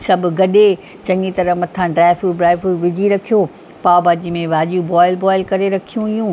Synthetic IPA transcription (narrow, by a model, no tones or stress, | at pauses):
sɐbʱʊ̆ɡɐɗe | t͡ɕɐ̃ŋɡit̪ɐɾəɦmɐt̪ʰãɖɾaːɪfuːɖɾaːɪfuɾʋɪd͡ʑʱiɾɐkʰijo | paːbaːd͡ʑimẽʋaːʄijũbɔːɪlbɔːɪlkɐɾeɾɐkʰijũɦijũː